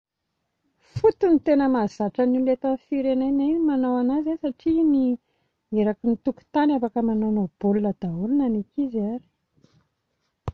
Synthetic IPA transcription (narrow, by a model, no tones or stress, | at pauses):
fut̪unit̪enəmazaʈ͡ʂənilet̪anfiɾenajnanimanowanazasaʈ͡ʂini | eɾakinit̪uku̥t̪anafakəmanonob̥olunəd̪̥aulinanikizaɾi̥